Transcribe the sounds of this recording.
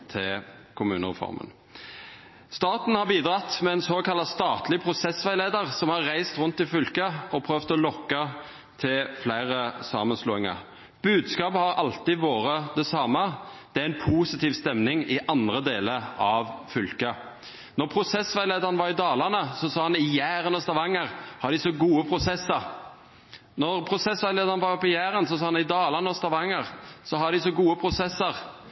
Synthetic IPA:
t̪ʰɪkʰʊmʉːnəʁɛ̰fɔ̰ɾmə̰n | st̪ɑːt̪n̩hɑʁbiːd̪ʁɑt̪ːmɛɛnsoːkɑlːɑst̪ɑːt̪ʰlɪpʰʁʊsɛsʋæɪleːd̪əʁsɔmhɑɾʁæɪst̪ɾʉnt̪ːɪlfʏlkəɔpʰɾøːʋt̪ɔlɔkːɑ | t̪ʰɪlflæɪɾəsɑːmənsloːɪŋɑ̰ʁ | b̥ʉːd̪skɑːpəhɑɾɑlt̪iːʋoːɾəd̪ɛsɑmːɑd̪̥ɛæɾɪnpʰuːsɪt̪ʰiːʋst̪ɛmnɪŋɪʔɑnd̪ɾəd̪eːləɾɑʋfʏlkə | nɔʁpʰɾʊsɛsʋæɪleːd̪əɑnʋɑɾɪd̪ɑːlɑnəsɔsɑːhɑnɪjæːɾənɔst̪ɑʋɑŋːəʁhɑɖ̪ɪsɔɡuːəpʰɾʊsɛsːəɾ | nɔʁpʰɾʊsɛsʋæɪleːd̪əɑnʋɑɾɔpːɪjæːɾənsɔsɑːɑnɪd̪ɑːlɑnəɔst̪ɑʋɑŋːəʁsɔhɑɖ̪ɪsɔɡuːəpʰɾʊsɛsːəʁ

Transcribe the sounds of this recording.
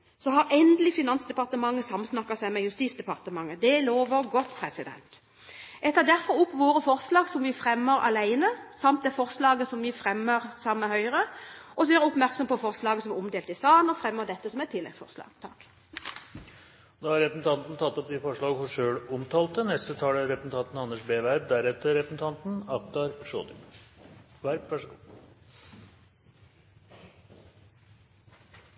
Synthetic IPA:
sɔhɑɾɛnd̪əlɪfɪnɑnsd̪ɛpɑʁt̪əmɑŋːəsɑmsnɑkːɑsæɪmɛjʉst̪iːsd̪ɛpɑʁt̪əmɑŋːəd̪ɛloːʋəɾɡɔt̪ːpʰɾɛsɪd̪ɛ̰nt̪ | jæt̪ʰɑd̪æɾfɔɾʊpːʋoːɾəfɔɾslɑːɡsɔmʋɪfʁɛmːəɾɑ̰læɪnəsɑmt̪̚d̪ɛfɔɾslɑːɡəsɔmʋɪfʁɛmːəɾsɑmːəhœʏʁəʔɔsɔæɾɛʊpmæɾksɔmpɔfɔɾslɑːɡəsɔmɛɔmd̪eːlt̪ɪsɑːnɔfʁɛmːəʁd̪ɛt̪ːəsɔmɛt̪ʰɪlːɛ̰ɡsfɔ̰ʁlɑ̰ːɡ̥t̪ʰɑk | ɔd̪ɑhɑɾɛpəsn̩t̪ʰɑnt̪n̩t̪ʰɑt̪ːɔp̚d̪ɪfɔʂɭɑːɡəhɔʂøːɭʊmt̪ʰɑːlt̪ənɛst̪ət̪ʰɑːləɾɛpsn̩t̪ʰɑnt̪n̩ɑnːəʂbeːʋæɾb̚d̪æɾɛt̪ːəɾɛpəsn̩t̪ʰɑnt̪n̩ɑkd̪ɑɾʂo̰ːd̪̰ | ʋæɾbʋæʂɡuː

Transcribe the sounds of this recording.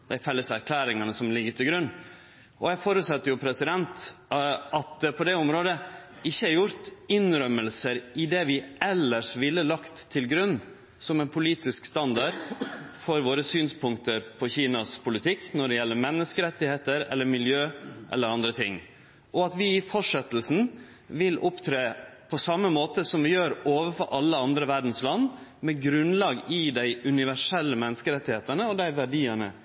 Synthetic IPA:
d̪̥æɪfɛlːəsæɾkʰlæːɾɪŋɑnəsɔmlɪɡːəʈ̪ʰɪlɡɾʉnː | ʔɔjæfoːɾʉːt̪sɑt̪ːəɾjʊpʰɾɛsɪd̪ɛnt̪ | ɑt̪̚d̪ɛpʰɔd̪ɛʊmɾoːd̪ə | ɪçːəɑɾjʊɾt̪ɪnɾœməlsəɾɪd̪ɛʋɪɛlːəʂʋɪlːəlɑkt̪ʰːɪlɡɾʉnː | sɔmɛnpʰʊliːt̪ɪskst̪ɑnd̪ɑɾfɔɾʋoːɾəsyːnspʰʊŋkt̪əɾpʰɔçiːnɑspʰʊlɪt̪ʰɪkːnɔɖɛjɛlːəɾmɛnːəskəɾɛt̪ːɪheːt̪əɾɛ̰lːəɾmɪljøːʔɛ̰lːəɾɑnd̪ɾət̪ʰɪŋː | ʔɔɑt̪ʋɪɪfɔʂɛt̪əlsn̩ | ʋɪlʊpt̪ʰɾeːpʰɔsɑmːəmoːt̪əsɔmʋɪjøːɾoːʋəfɔɾʔɑlːəɑnd̪ɾəʋæɖn̩slɑnːmɛɡɾʉnlɑːɡɪd̪æɪʉnɪʋæʂɛlːəmɛnːəskəɾɛt̪ːɪheːt̪əɳəɔd̪æɪʋæɖiːəɳə̰

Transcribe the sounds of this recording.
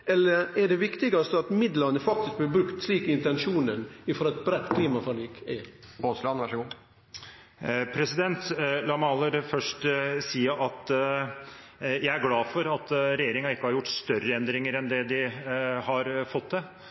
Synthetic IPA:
ɛlːəɾɛɖɛʋɪkt̪ɪɡɑst̪əɑt̪mɪd̪ləɾnəfɑk̚t̪ɪsk̚blɪbɾʉkt̪sliːkəɪnt̪ɛnʂuːnənɪfɔɾɛt̪bɾɛt̪ːkʰliːmɑfɑliːkɛ̰boslɑnʋæʂəɡuː | pʰɾɛsɪd̪ɛnt̪lɑːmɑlːəɾfœʂʈsiːəɾʔɑt̪ | jæɪæɾɡlɑːfɔɾɑt̪ɾɛjeːɾɪŋɑɪkːəhɑɾjʊʈːst̪œɾːəɛnd̪ɾɪŋəɾɛnd̪ɛd̪ɪhɑɾfɔt̪ːd̪ɛ

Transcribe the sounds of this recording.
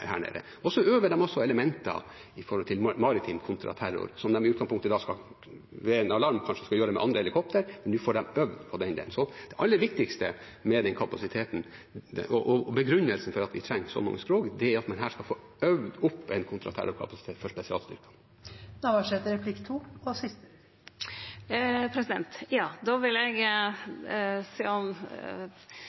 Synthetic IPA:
hæ̰ːɳḛːɾə̰ | ɔsɔøːʋəɖɛmɔsːɔɛləmɛnt̪ɑ̰ | ɪfɔɾhɔlt̪ʰɪlmɑɾɪt̪ʰɪmkʰʊnt̪ʰɾɑ̰t̪ʰæɾʊ̰ɾsɔmd̪ɛmɪʉːɡɑŋspʰʊŋkt̪əd̪ɑːskɑ | ʋeːɛnɑlɑɾmkʰɑnʂəskɑjøːɾɛmɛ̰ʔɑnd̪ɾəhɛlɪkʰɔp̚t̪əɾmɛnd̪ʉfoːɖɛmœʋd̪pʰɔd̪ɛnd̪ḛːsɔd̪̥ɛʔɑlːəʋɪk̚t̪ɪkst̪əmɛd̪ɛnkʰɑpɑsɪt̪ʰeːt̪n̩ʔɔʔɔbɛɡɾʉnːəlsn̩fɔɾɑt̪ʋɪt̪ʰɾɛŋːsɔ̰mɑ̰ŋːəspɾoːɡd̪ɛæɾɑt̪mɑnɦæːʂkɑfoːœʋd̪ʊpːɛnkʰʊnt̪ʰɾɑ̰t̪ʰæ̰ɾɔkʰɑ̰pɑsɪ̥t̪eːt̪fɔʂpɛsɪɑ̰ːlst̪ʏ̰ɾkɑn | nɑʋɑʂɛt̪əɾɛpʰlɪkt̪ʰuːɔsɪs | pʰɾɛsɪd̪ɛnt̪jɑːd̪oːʋɪlɛɡ | siːɔm

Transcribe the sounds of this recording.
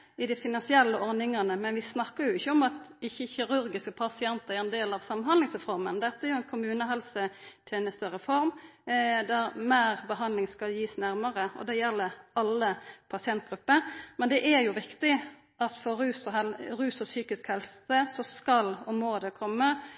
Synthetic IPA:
ɪd̪ɪfɪnɑnsɪɛlːəɔɾnɪŋɑnəmɛnʋɪsnɑkːəɾjʊɪçːəɔmɑt̪ɪçːəçɪɾʉɾɡɪskəpʰɑsɪɛnt̪əɾæɾɛnd̪eːlɑʋsɑmːɑnhɑnd̪lɪŋsɛfɔɾmənd̪ɛt̪ːəæɾjʊɛnkʰʊmʉːnəɦɛlsət̪ʰeːnəst̪əɾəfɔɾm | d̪æɾmæːɾbəɦɑnd̪lɪŋskɑljiːsnæɾməɾəɔ̰d̪ɛjɛlːəɾɑlːəpʰɑsɪɛnt̪̚ɡɾʉpːəɾmɛnd̪ɛʔæɾjʊʋɪkt̪ɪ | ʔɑt̪fɔɾʉːsɔɛlɾʉːsɔsyːkɪskhɛlsəsɔskɑlɔmoːd̪ɛkʰɔmːə

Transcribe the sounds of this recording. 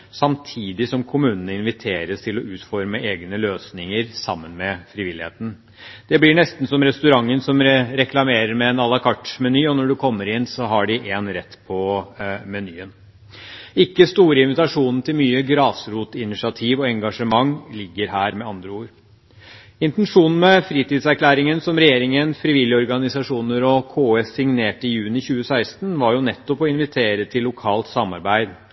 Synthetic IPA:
sɑmt̪ʰiːd̪ɪsɔmkʰʊmʉːnənəɪnʋɪt̪ʰeːɾəst̪ʰɪlɔʔʉːt̪fɔɾməeːɡnəløːsnɪŋəɾsɑ̰mːənmɛfɾɪʋɪlɪhḛːt̪n̩ | d̪̥ɛblɪɳɛst̪n̩sɔmɾɛst̪ʉɾɑŋːənsɔmɾɛklɑmeːɾəɾmɛːnɑlɑkʰɑʈmɛnyːɔnɔɖʉkʰɔmːəɾɪnːsɔɦɑɖɪʔeːnɾɛt̪ːpʰɔmɛnyːən | ɪkːəst̪uːɾəɪnʋɪt̪ɑʂuːnn̩t̪ʰɪlmyːəɡɾɑːsɾuːt̪ɪnɪʂɪɑt̪ʰiːʋɔɛŋɡɑʂəmɑŋːlɪɡːəɾɦæːɾmɛɑnd̪ɾəuːɾ | ɪnt̪ɛnʂuːnn̩mɛfɾiːt̪ɪd̪sæɾkʰlæːɾɪŋənsɔmɾɛjeːɾɪŋənfɾɪʋɪljəɔɾɡɑnɪsɑʂuːnəɾɔkʰoːeːsɪŋneːʈəɪjʉːnɪçʉːəsæɪst̪nʋɑɾjʊnɛt̪ːɔpɔɪnʋɪt̪ʰeːɾət̪ʰɪlːʊkʰɑːlt̪sɑmɑɾbæɪd̪

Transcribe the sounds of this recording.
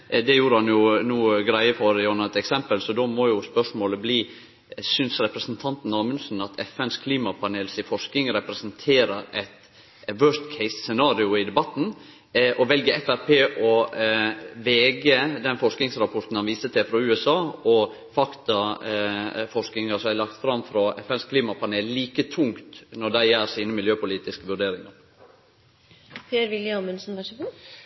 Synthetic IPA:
d̪ɛjuːɾəhɑnjʊnuːəɡɾæɪəfɔɾjɑnət̪ɛksɛmpəlsɔd̪oːmɔjʊspœʂmoːləbliː | sʏnsɾɛpɾəsnt̪ʰɑnt̪n̩ɑːmənsn̩ɑt̪ʰɛ̰fɛnskʰliːmɑpʰɑneːlsɪfɔʂkɪŋɾɛpɾɛsənt̪ʰeːɾəɾɛt̪ | ʋœːst̪kʰɛɪssɛnɑːɾɪʊɪd̪ɛbɑt̪ːn̩ | ʔɔʋɛlɡəɛfæɾpʰeːʔɔ | ʋeːɡəd̪ɛnfɔʂknɪŋsɾɑpʰɔɾt̪n̩hɑnʋiːsət̪ʰɪfɾɔʉːɛsɑːɔ | fɑkt̪ɑ | fɔɾknɪŋəsɔmhæɪlɑk̚t̪fɾɑmfɾɑɛfɛnskʰliːmɑpʰɑneːlliːkət̪ʰʊŋt̪nɔɖ̪æɪjæːɾsiːnəmɪljøːpʊliːt̪ɪskəʋʉɖeːɾɪŋɑɾ | pʰeːɾʋɪljəmʉnsn̩ʋɑʂəɡuː

